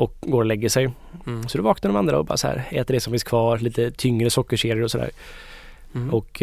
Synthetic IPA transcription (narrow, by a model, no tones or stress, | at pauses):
ɔkɡoːɾɔlɛɡːəʂɛj | sɔd̪ɛvɑːknəɾɔmand̪ɾaɔbɑ̰ːɾashæ̰ːɾɛ̰ːt̪əɖɛsɔmfɪnskʰvɑːɾliːt̪ət̪ʰʏŋːɾəsɔkːəʂeːd̪ɪəɾɔsɔd̪æ̰ːɾ | ɔk